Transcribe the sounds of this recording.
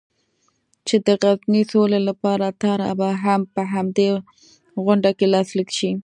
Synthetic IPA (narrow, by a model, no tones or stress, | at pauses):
t͡ʃed̪əɣaznisolelapɑɾat̪ɑɾa̰baɦampəɦamd̪e | ɣʊɳɖakelɑslikʃi